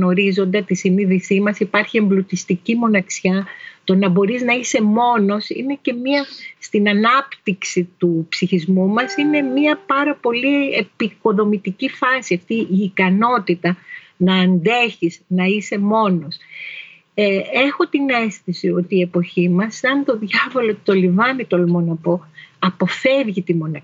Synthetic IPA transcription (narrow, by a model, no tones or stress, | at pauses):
no̞ɾizo̞nd̪et̪isiniðisimɐsipɐɾçie̞mblut̪ist̪icimo̞nɐksçɐt̪o̞nɐbo̞ɾiznɐise̞mo̞no̞sḭne̞ce̞miɐst̪inɐnɐpt̪iksit̪upsiçizmumɐsine̞miɐpɐɾɐpo̞lie̞piko̞ðo̞mit̪icifɐsiɐft̪iiːkɐno̞t̪it̪ɐ | nɐːnd̪e̞çiznɐise̞mo̞no̞s | ee̞xo̞t̪ine̞sθisio̞t̪iːe̞po̞çimɐsɐnt̪o̞ðʝɐvo̞lot̪o̞livɐnit̪olmonɐpo̞ɐpo̞fe̞vʝit̪imo̞nɐ